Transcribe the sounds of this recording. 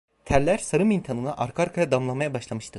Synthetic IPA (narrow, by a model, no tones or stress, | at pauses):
t̪ʰæɾlʲæɾsaɾɯmint̪ʰanɯnaʔaɾkʰaɾkʰajad̪amlˠamajabaʃlˠamɯʃt̪ʰɯ